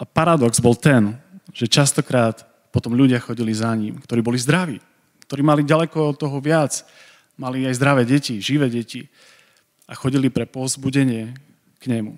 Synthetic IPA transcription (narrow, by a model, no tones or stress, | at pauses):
apaɾad̪ɔɡzbɔlt̪ɛnʒ̥ɛt͡ʃast̪ɔkɾaːt̪ | pɔt̪ɔmʎuɟɪaxɔɟilizaɲimkt̪ɔɾiːbɔlizd̪ɾaʋiː | kt̪ɔɾiːmaliɟalɛkɔt̪ːɔɦɔʋɪat͡s | maliajzd̪ɾaʋɛːɟɛciʒiʋɛːɟɛci | axɔɟilipɾɛpɔzbuɟɛɲɪɛ | kɲɛmu